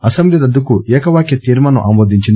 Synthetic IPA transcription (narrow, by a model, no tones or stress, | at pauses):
ɐsɐmbliɾɐd̪ːukuʔɛːkɐʋaːkjɐt̪iːɾmɐnuʔaːmoːd̪iɲt͡ʃind̪